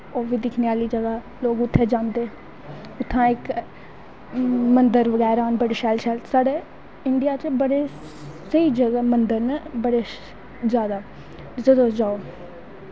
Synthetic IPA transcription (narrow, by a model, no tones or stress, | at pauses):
oːʋiːd̪ɪkʰneːaːliːd͡ʒəɡaː | loːɡʊt̪ʰːeːd͡ʒãːnd̪eː | ʊt̪ʰːãːɪk | mənd̪əɾʋəɡɛːɾaːnbəɽeʃɛːlʃɛːlsaːɽeː | ɪɳɖɪijaːt͡ʃbəɽeː | səiːd͡ʒəɡaːmənd̪əɾnəbəɽeː | zjaːd̪aː | zəd̪õːd͡ʒaːoː